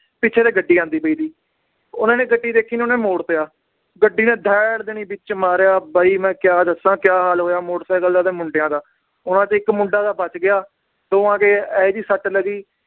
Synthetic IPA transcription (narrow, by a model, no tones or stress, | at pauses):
pɪːt͡ʃʰeːd̪eːɡəɖːiːãːnd̪iːbəiːd̪iː | ʊnãːneːɡəɖːiːd̪eːkʰːiːnːʊnẽːmoːɽt̪ejaː | ɡəɖːiːnẽːd̪ʱɛːɽd̪ɪnĩːbɪt͡ʃmaːɾjaːbəiːmɛ̃ːkjaːd̪əsãːkjaːɦaːlɦoːjaːmoːɽsɛːɡəld̪aːd̪ẽːmʊɳɖɪjãːd̪aː | ʊnãːt͡ʃɪkmʊ̃ɳɖaːd̪aːbət͡ʃɡɪjaː | d̪oːãːkeːɛːd͡ʒiːsəʈləɡiː